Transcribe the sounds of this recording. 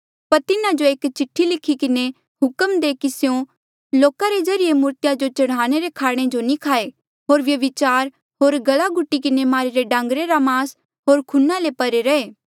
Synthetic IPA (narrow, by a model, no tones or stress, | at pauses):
pɐɾt̪ɪnad͡ʒoeːkt͡ʃɪʈʰːilɪkʰːikɪne | ɦʊkəmd̪eːkisjõ | loːkaɾezɐɾɪjemʊɾt̪jad͡ʒot͡ʃɐɽ̃aːɽ̃eɾekʰaːɽ̃ed͡ʒonĩkʰaːe | ɦoːɾʋjɐʋɪt͡ʃaːɾ | ɦoːɾɡɐlaɡʱʊʈːikɪnemaːɾiɾeɖãːŋɡɾeɾamaːs | ɦoːɾkʰʊnːalepɐɾeɾɐeː